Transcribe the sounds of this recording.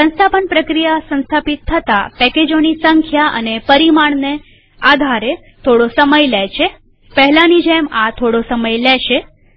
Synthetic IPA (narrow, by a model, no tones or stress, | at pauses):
sə̃nst̪ʰapənpɾəkɾijasə̃nst̪ʰapit̪ʰːət̪apɛked͡ʒonisəŋkʰjaʔə̰nepəɾimaɳ̃ne | ad̪ʱaɾe | t̪ʰoɽosəməjlɛt͡ʃʰe | pəɦɛlanid͡ʒemat̪ʰoɽosəməjlɛʃe